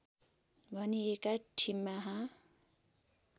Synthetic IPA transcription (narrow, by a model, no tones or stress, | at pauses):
bʱʌniekaʈʰimːaɦã